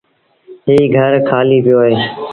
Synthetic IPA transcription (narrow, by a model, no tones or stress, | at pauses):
ɦiːɡʱəɾkʰaːliːpɪjoːɦeː